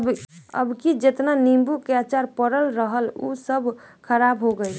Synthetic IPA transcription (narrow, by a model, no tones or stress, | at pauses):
ə̰bkid͡ʒet̪nanimbukeat͡ʃaɾpəɾəlɾəɦəlṵsəbʱ | kʰəɾabɦoɡəj